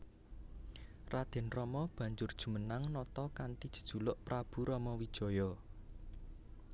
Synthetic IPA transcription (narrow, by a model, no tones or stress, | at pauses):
rad̪̥ɛ̤nrɔmɔb̥ä̤ɲd͡ʒʊrd̥ʒ̥ṳmənaŋnɔt̪ɔkant̪id̥ʒ̥ə̤̥d̥ʒ̥ṳlʊʔpɾab̥ṳɾɔmɔwid̥ʒ̥ɔ̤jɔ